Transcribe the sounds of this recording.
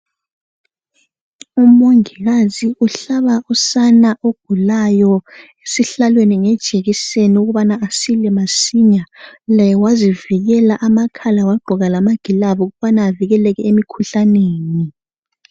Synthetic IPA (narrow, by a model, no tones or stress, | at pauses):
umoŋiɣaziuɬaβaʔusanaʔoɡ̥ʱulajɔ | esiɬalweniŋɛd̥ʒ̥ʱeɣiseniuɣuβanaːsilɛmasiɲalajɛwaziviɣɛlaʔamakʰalawaɡ͡ǃʱɔɣalamaɡ̥ʱilaβɔuɣuβanaːviɣɛlɛɣɛemikʰuɬaneːni